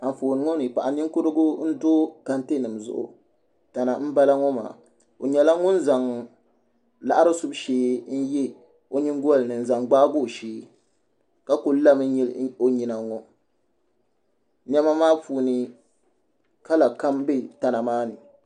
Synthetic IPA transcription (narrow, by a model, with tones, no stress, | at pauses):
a˨ɱ˨foː˨nɨ˨ŋɔ˦nɨ˨pa˨ʔa˨ni˦ŋ˦kʊ˦ɾɨ˦ɡʊ˦n̩˦doː˦ka˦nte˦nɨ˨m˨zʊ̰˨ʔʊ̰˨ | ta˨na˨m̩˦ba˦la˦ŋɔ˦ma̰ː˨ | o˨ɲɛ˨la˦ŋʊ˦n̩˦za˨ŋ | la̰˨ʔa˦ɾɨ˦sʊ˦bʃeː˦n̩˦jɛ˦ | o˦ɲi˦ŋ˦ɡɔ˦a˦lnɨ˨n˨za˨ŋɡ͡baː˦ɡo˦˨ʃeː˦ | ka˦ko˨lla˦mɨ˦ɲi˦lo˦ɲi˨na˨ŋɔ˦ | ɲ˦ɛ˦ma˦maː˦fuː˨nɨ˨ | ka˦la˨ka˦mbe˦ta˨na˨maː˦nɨ˨